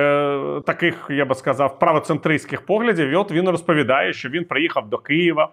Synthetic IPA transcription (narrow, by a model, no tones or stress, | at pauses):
t̪ɐkɪxjabɪskɐzɑwpɾɐʋɔt̪sɛnt̪ɾɪsʲkʲɪxpɔɦlʲɐdʲiwiɔt̪ʋʲinrɔspɔʋʲid̪ɑjɛʃt͡ʃɔʋʲinpɾɪjixɐwd̪ɔkɪjɪʋɐ